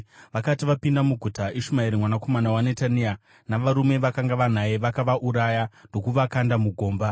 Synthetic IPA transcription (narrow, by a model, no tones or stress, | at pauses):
ʋakatiʋapindamuɡʱutaʔeʃumaiɾimwanako̞manawanetania | naʋaɾume̞ʋakaŋɡaʋan̤ajeʋakaʋaʔuɾajando̞kuʋakandamuɡʱo̞ːmba